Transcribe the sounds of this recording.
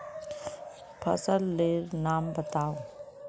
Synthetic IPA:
pʰə̰səlːeːɾnaːmbət̪aːo

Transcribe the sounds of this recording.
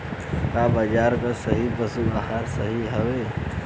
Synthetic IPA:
kaːbəd͡ʒaːɾkasəɦibəsuahaːɾsəɦiɦəʋe

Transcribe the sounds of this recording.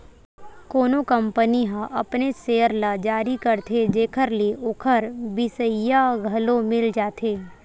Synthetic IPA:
koːnokə̃mpəniɦãʔɐpneseːəɾlad͡ʒaːɾikəɾt̪ʰed͡ʒeːkʰəɾliʔʊkʰəɾbɪsəjaɡʱɐlomɪld͡ʒaːt̪ʰeː

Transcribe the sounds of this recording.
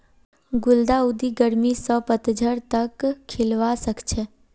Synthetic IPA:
ɡʊld̪aʊd̪iɡəɾmisəpət̪d͡ʒʱəɾt̪əkʰːɪlʋasəkt͡ʃʰe

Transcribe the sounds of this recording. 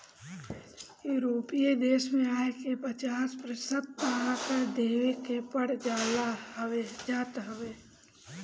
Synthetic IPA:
juɾoːpijed̪eːʃmẽaːekepət͡ʃaːspɾəsət̪̚paaːkəɾd̪eːʋekepəɽd͡ʒaːlaed͡ʒaːt̪ɦəʋeː

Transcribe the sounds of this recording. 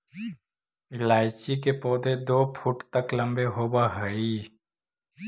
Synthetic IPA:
ɪlaːɪt͡ʃik̬epɔːd̪ʱed̪oːpʰuʈt̪əklə̃mbeɦoːbaɦəi

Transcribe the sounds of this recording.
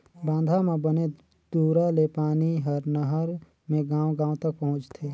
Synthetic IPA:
bãːnd̪ʱamẽbəne | d̪̥uːɾalepaːniɦəɾnəɦəɾ | mẽɡãːwɡãːwt̪ɐk̚pɐɦʊ̃t͡ʃt̪ʰeː

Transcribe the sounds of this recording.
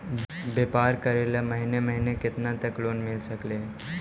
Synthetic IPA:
bepaɾkəɾeləməɦineməɦineket̪nat̪əkloːnmilsəkle

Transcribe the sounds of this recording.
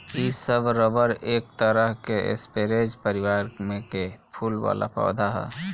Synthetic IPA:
isəbɾəbəɾeːk̚t̪əɾəɦkeʔɪ̰speɾed͡ʒpəɾɪwaːɾmẽkepʰuːlwa̰ːla̰pʰɔ̰ːd̪ʱaɦɛ̰ː

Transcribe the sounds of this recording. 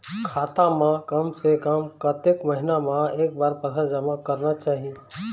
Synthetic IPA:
kʰaːt̪ãmãkɐmsekəmkət̪ekməɦɪnamãeːk̚baːɾpət̪ʰəɾd͡ʒəmakəɾnat͡ʃaːɦie

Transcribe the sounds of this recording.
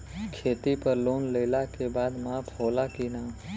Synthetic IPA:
kʰeːt̪ipəɾloːnleːlakebaːd̪maːpʰoːlakinaː

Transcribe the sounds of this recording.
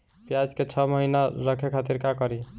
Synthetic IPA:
pjad͡ʒket͡ʃʰʌməɦinaɾəkʰekʰat̪iɾkakəɾi

